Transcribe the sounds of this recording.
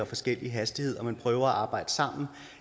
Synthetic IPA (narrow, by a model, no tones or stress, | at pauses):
ɒfɒ̽sɡ̥el̰iɦæsd̥ihe̝ð̞̰ˠɒ̽mænpʰʁœːʊɐæʔɑ̈ːb̥ɑ̈ɪ̰d̥ə̥sɑ̈m̰n̩